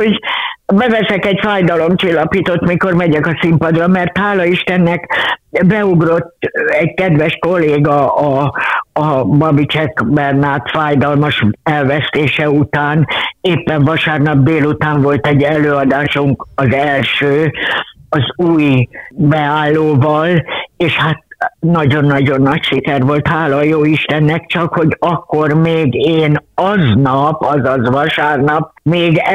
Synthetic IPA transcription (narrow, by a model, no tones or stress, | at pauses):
ho̞ɟbɛvɛsɛkɛɟfaːjd̪ɒlo̞mt͡ʃilːɒpiːt̪ot̪miko̞rmɛɟɛkɒsimpɒd̪rɒmɛrt̪haːlɒiʃt̪ɛnːɛkbɛuɡro̞t̪ːɛɟkɛd̪ʋɛʃko̞lːeːɡɒɒː | bɒbit͡ʃɛkbɛrnaːt̪faːjd̪ɒlmɒʃɛlvɛst̪eːʃɛut̪aːneːpːɛɱvɒʃaːrnɒb̚d̪eːlut̪aːɱvo̞lt̪ɛɟːɛløːɒd̪aːʃuŋkɒzɛlʃøː | ɒzuːjbɛaːlːoːvɒleːʃhat̪̚nɒɟo̞nːɒɟo̞nːɒcʃikɛrʋo̞lt̪haːlɒjoːiʃt̪ɛnːɛkt͡ʃɒkho̞ɟɒkːo̞rmeːɡeːnɒznɒpɒzɒzʋɒʃaːrnɒp̚meːɡ